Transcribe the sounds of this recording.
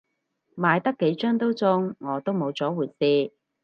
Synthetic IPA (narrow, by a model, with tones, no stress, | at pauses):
maː˨˧jt̪ɐ˥kːe˨˧˥jt͡ʃœː˥ŋt̪o˥wt͡sʊ˥ŋːɔː˨˧t̪o˥wmo˨˧wt͡sɔː˨˥wuː˨˩jsiː˧